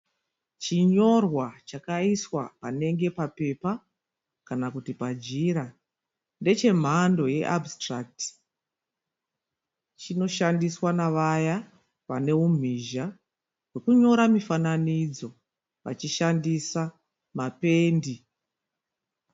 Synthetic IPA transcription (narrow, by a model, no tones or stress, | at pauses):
t͡ʃiɲo̞rwat͡ʃakaiswa̰pane̞ŋɡe̞pape̞pa | kanakutipad͡ʒiɾa | nde̞t͡ʃe̞m̤ando̞je̞̰ʔabstrak̚ti̥ | t͡ʃino̞ʃandiswanaʋaja | ʋane̞um̤ʱiʒa | we̞kuɲo̞ɾamifananid͡zo̞ | ʋa̰t͡ʃiʃandisa | mape̞ːndi